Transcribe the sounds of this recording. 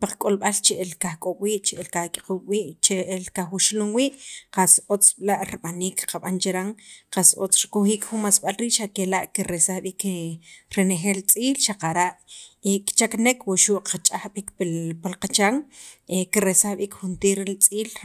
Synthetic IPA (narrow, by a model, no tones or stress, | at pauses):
paq͡χkʼolɓalt͡ʃeʔelkaxkʼoɓwiːʔt͡ʃeʔelkahkʼi̥quwiːʔt͡ʃeelkaxwuʃluŋwiːʔqasot͡sʼɓlaʔɾiɓaniːkqaɓant͡ʃeɾaŋqaso̰t͡sɾikuxiːkxunmasɓalɾiːʔʃakelaʔkiɾesahɓiːk | ɾenexeːlt͡sʼiːlʃaqaɾaʔekt͡ʃaknekwuʃuʔqat͡ʃʼaxɓikpipalqat͡ʃaŋekiɾesahɓiːkxunt̪iːɾelt͡sʼiːl